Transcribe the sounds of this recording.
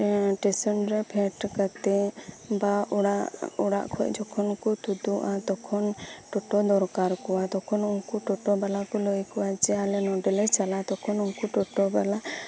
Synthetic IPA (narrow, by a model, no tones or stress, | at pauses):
ʈɛsɔnɾɛpʰɛʈkat̪ɛ | baɽaʔuɽa̰ʔkʰɔc̚ˀd͡ʒɔkʰɔnkɔt̪ud̪uʔat̪ɔkʰɔnʈɔʈɔd̪ɔɾkaɾkɔwat̪ɔkʰɔnunkuʈɔʈɔbalakɔlɔjkɔwat͡ʃɛalɛnɔɖɛlɛt͡ʃalat̪ɔkʰɔnunkuʈɔʈɔbala